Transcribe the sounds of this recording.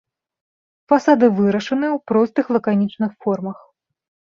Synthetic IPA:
fasad̪ɨvɨɾɐʂɐnɨwpɾɔst̪ɨxlˠɐkanʲit͡ʂnɨxfɔrmɐx

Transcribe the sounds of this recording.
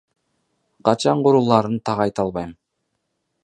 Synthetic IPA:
qʰɑt͡ʃɑɴquɾulˠɑɾɯnt̪ʰɑʁɑjt̪ɑlˠβɑjm

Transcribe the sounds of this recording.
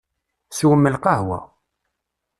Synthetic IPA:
swəmːəlqɑɦwæ̰

